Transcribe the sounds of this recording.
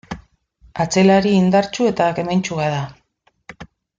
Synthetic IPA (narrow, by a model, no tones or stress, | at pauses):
at͡se̞laɾiːnd̪aɾt͡ʃue̞t̪akement͡ʃuɣaða